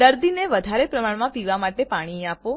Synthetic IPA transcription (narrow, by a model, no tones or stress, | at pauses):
əɾd̪ineʋəd̪ʱaɾepɾəmaɳmãpiʋamaʈepaɽ̃iapo